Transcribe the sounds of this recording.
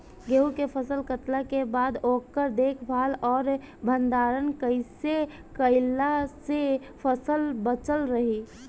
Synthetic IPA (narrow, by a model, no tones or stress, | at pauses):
ɡeːukepʰəsəlkət̪lakebaːd̪oːkːəɾd̪eːkʰbʱaːlɔːɾ | bʱə̃nd̪aːɾənkəɪse | kəɪlase | pʰəsəlbət͡ʃəlɾəɦiː